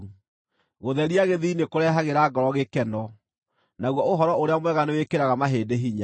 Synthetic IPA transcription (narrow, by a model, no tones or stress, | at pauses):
ɣoðɛɾiaɣeðiːnekoɾɛɦaɣeɾaɡɔɾɔɣekɛnɔ | naɣwɔoɦɔɾɔoɾeamwɛɣanewekeɾaɣamaɦeːdeɦiɲa